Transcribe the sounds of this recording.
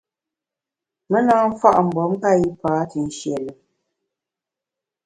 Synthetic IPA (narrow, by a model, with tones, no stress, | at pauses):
mə˦naː˦m̩˦fa˦˨ʔm̩˨bɔ˨˦m̩˦ka˦˨ji˦paː˨˦ti˨n̩˨˦ʃjɛ˨lə˨